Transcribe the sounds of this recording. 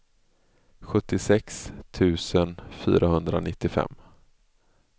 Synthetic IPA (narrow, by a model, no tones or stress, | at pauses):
ɧɵt̪ːɪsɛkst̪ʰʉ̟ːsənfy̰ːɾahɵnd̪ɾanɪt̪ːɪfɛ̰mː